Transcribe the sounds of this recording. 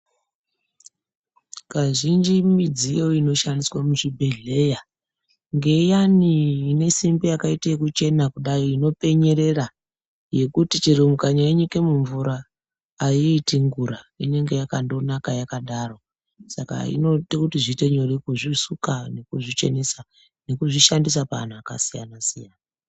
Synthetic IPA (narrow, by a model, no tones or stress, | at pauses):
kaʐind͡ʒimid͡zijo̞ino̞ʃandiswamuʐibʱe̞ɮe̞ja | ŋɡe̞janiːne̞simbijakaitaekut͡ʃe̞nakuɗajiino̞pe̞ɲe̞ɾe̞ra | je̞kutit͡ʃiɾumukaɲaiɲike̞muɱvuɾaː | iːtiŋɡuɾaine̞ŋɡe̞jakando̞nakajakaɗaro̞ | saka̰ḭno̞tekutiʐite̞ɲo̞rikuʐisukane̞kuʐit͡ʃe̞̰nesa | ne̞kuʐiʃandis̬apaa̰n̤uaka̰sija̰nasija̰na